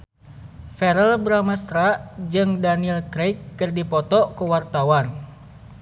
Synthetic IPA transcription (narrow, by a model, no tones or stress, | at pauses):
fɛɾəlbɾamast̪ɾad͡ʒɨŋdaniɛlkɾejkːɨrdipɔt̪ɔkuwart̪awan